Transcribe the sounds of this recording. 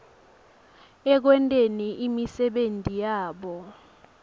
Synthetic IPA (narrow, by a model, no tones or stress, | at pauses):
ɛk̬wɛntʼeniʔimisɛɓentʼijaːɓɔ